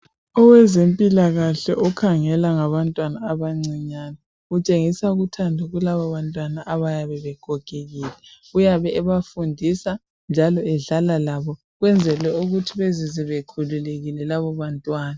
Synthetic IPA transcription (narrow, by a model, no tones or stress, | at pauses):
ɔwɛzempʼilaɣaɬɛʔɔkʰaŋɛlaŋaβantʼwanaːβaŋ͡ǀiɲana | ut͡ʃʼeŋisauɣutʰandʱaɣulaβaβantʼwanaʔaβajaβɛβɛkʰɔkʰʼeɣiːlɛ | ujaβɛːβafundʱisa | nd͡ʒʱalɔɛɮalalaβɔ | ɣwɛnd͡zʱɛlwɛuɣutʰiβeziziβekʰululeɣilɛlaβɔβantʼwaːna